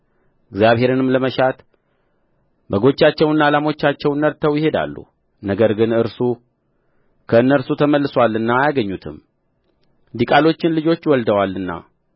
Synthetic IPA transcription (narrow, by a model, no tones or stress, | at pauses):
ɨɡzjaβhe̞ɾɨnɨmləməʃat̪ | bəɡo̞t͡ʃːat͡ʃːɛwɨnːalamo̞t͡ʃːat͡ʃːɛwnːəɾt̪ʰəwjɪhe̞d̪a̰lːṵ | nəɡəɾɡɨnɨɾsu | kʰəɨnːəɾsut̪ʰəməlːɨswalːɨnːajaɡəɲːut̪ʰɨ̰m | d̪ikʼalo̞t͡ʃːɪnlɨd͡ʒo̞t͡ʃːwɔld̪əwalːɨnːa̰